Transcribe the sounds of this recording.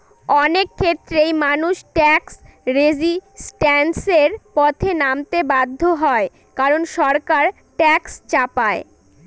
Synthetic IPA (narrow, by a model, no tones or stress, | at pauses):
ɔnekʰːet̪ːɾejmanuʃʈɛksɾed͡ʑisʈɛnseɾpɔt̪ʰenamt̪ebad̪ʱːoɦɔe | kaɾonʃɔɾkaɾ | ʈɛkst͡ɕapae